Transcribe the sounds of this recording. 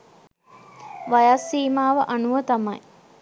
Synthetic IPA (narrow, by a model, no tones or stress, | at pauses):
ʋajasːiːmaːʋəʔanuʋət̪amɐj